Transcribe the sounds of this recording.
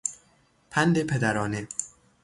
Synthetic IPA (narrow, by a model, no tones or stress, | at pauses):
pʰænd̪epʰed̪æɾɒːne